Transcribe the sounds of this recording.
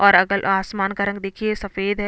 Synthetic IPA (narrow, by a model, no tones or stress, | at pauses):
ɔːɾɐɡəlʔaːsmaːnkaɾə̃ŋɡ̚d̪eːkʰiesɐfeːd̪ɦɛ